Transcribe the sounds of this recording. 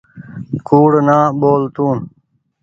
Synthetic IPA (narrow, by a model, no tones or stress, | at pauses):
kuːɽnaːboːlt̪uːn